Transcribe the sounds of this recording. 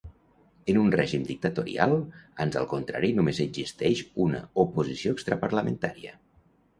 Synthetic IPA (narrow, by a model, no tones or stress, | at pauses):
ənunrɛʒimd̪ik̚t̪ət̪oɾḭa̰lˠanzə̰lˠkont̪ɾa̰ɾinumezəɡzist̪ɛʃunə̰upuzisioekst̪ɾəpəɾləment̪aɾiə̰